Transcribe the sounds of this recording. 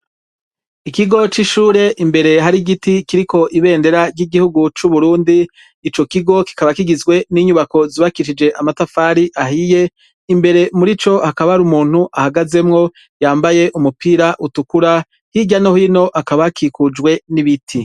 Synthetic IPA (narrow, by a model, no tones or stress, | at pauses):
ikiɡo̞t͡ʃiʃuːɾe̞ʔimbe̞ɾe̞ɦaɾiɡitikiɾikʰo̞ʔiβe̞ːnde̞ɾaɾɟiɡihuɡut͡ʃuβuɾuːndiː | t͡ʃo̞kiɡo̞ki̥kaβakiɡizɡwe̞niɲuβako̞ziβakiʃid͡ʒe̞ʔamatafaːɾiʔaɦije̞ | imbe̞ɾe̞muɾit͡ʃo̞hakaβaɾumuːn̥huʔahaɡaze̞mŋo̞ | jaːmbaje̞ʔumupiɾaʔutukuɾa | hiɟanohino̞ʔakaβakʰikud͡ʒɡwe̞niβitʰi